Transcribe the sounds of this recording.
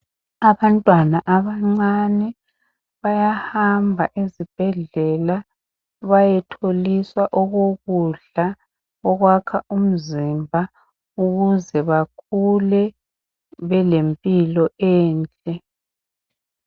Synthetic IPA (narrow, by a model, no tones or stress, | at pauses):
aβantʼwanaʔaβaŋ͡ǀanɛ | βajahambʱaʔezib̥ʱɛɮɛla | βajɛtʰoliswaʔɔɣoɣuɮa | ɔɣwakʰaʔum̩zimbʱa | uɣuzɛβakʰulɛ | βɛlempʼilɔɛːnt͡ɬʼɛ